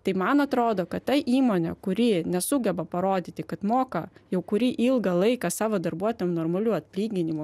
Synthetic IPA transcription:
t̪ɐɪmɐnɐt̪ɾoːd̪oːkɐt̪t̪ɐɪʔiːmoːnʲɛ̰kʊɾʲiːnʲɛsʊɡʲɛbɐpɐɾoːd̪ʲiːt̪ʲɪkɐt̪moːkɐjɛʊkʊɾʲiːʔɪlˠɡɐlˠɐɪkɐsɑːʋoːd̪ɐɾbuɔt̪ojʲɛmnoːrmɐlʲuːɐt̪̚ʲpʲlʲiːɡʲɪnʲɪmʊ

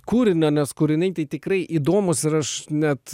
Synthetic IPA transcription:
kuːɾʲɪnʲɐnʲɛskʊːɾʲɪnʲɐɪt̪ɐɪt̪ʲɪkɾɐɪʔiːd̪oːmʊsɪɾɐʃnʲɛt̪

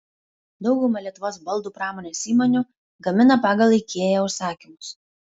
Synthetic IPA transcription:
d̪ɒʊɡʊmɐlʲiɛt̪ʊʋoːsbɐlˠˑd̪uːpɾɑːmoːnʲeːsiːmɔnʲu | ɡɐmʲɪnɐpɑːɡɐlˠɐɪkʲeːjɛʊʃsɑːkʲɪmʊs

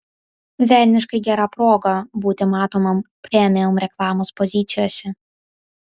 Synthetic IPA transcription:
ʋʲæˑlʲnʲɪʃkɐɪɡʲæɾɑpɾoːɡɐbuːt̪ʲɪmɑːt̪oːmɐmpʲɾʲɛmʲɪjomɾʲɛklˠɑːmoːspɔzʲɪt̪sʲɪjoːsʲɛ

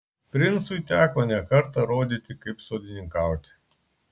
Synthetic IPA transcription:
pɾʲinsujt̪ʲaklanʲakɐrt̪ɐɾod̪ʲit̪ʲɪkɨpʲsod̪ʲinʲɪŋkawt̪ʲ

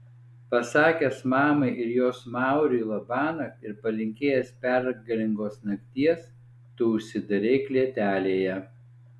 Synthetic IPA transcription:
pɐsɑːkʲɛsmɑːmɐɪʔɪɾjoːsmɑˑʊɾʲiːlˠɐbɑːnɐɪɾpɐlʲɪŋʲkʲeːjɛspʲɛɾɡɐlʲɪŋɡoːsnɐkʲt̪ʲiɛs | t̪uʊʃʲsʲɪd̪ɐɾʲeɪklʲiɛt̪ʲæːlʲeːjɛ

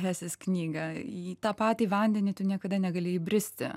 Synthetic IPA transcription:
ɦæːsʲɪsknʲiːɡɐit̪ɑːpɑːt̪ʲiːʋɐnʲd̪ʲɛnʲiːt̪ʊnʲiɛkɐd̪ɐnʲɛɡɐlʲɪibʲɾʲɪsʲt̪ʲɪ̰

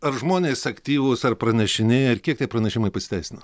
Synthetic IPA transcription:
ɐɾʒmoːnʲeːsɐkt̪ʲiːʋʊsɐrpɾɐnʲɛʃʲɪnʲɪɐɾkʲiɛkt̪ʲiɛpɾɐnʲɛʃʲɪmɐɪpɐsʲɪ̥t̪ʲɛɪsʲɪnɐ

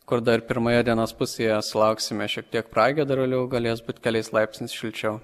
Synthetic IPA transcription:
kʊɾd̪ɐɪɾpʲɪɾmɐjɛd̪ʲiɛnoːspʊsʲeːjɛsʲɪlˠɐʊksʲɪmʲɛʃʲiɛk̚t̪ʲiɛkpɾɑːɡʲɛd̪ɐɾɐlʲɛʊɡɐlʲeːs̬buːt̪ʲkʲɛlʲɛɪslˠɐɪpʲsʲnʲɪsʃʲɪlʲt͡ʃʲɛʊ

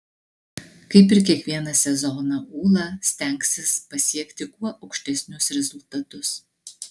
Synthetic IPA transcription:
kɐɪpɪɾkʲiɛkʋʲiɛnɐsʲɛzɔnɐuːlˠɑsʲt̪ʲɛˑŋksʲɪspɐsʲiɛkt̪ʲɪkuɔʔɐʊkʃʲt̪ʲɛsʲnʲʊsɾʲɛzʊlˠt̪ɐt̪ʊs

